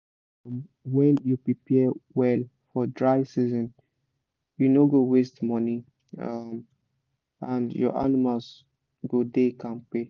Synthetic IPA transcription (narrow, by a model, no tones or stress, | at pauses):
mwɛ̃njupɹipʰɛwɛlfɔdɹaɪsizɔ̃n | junoɡowestmɔni | ʌ̰m | ãnjɔ̰ʔa̰nimals | ɡodekãnpe